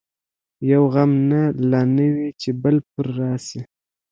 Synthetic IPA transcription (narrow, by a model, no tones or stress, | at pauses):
jawɣamnalɑnəwit͡ʃebəlpəɾːɑsi